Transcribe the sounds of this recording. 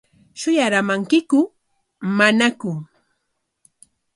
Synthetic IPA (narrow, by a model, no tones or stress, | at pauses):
ʃʊjaɾamaŋkɪkʊ | manakʊ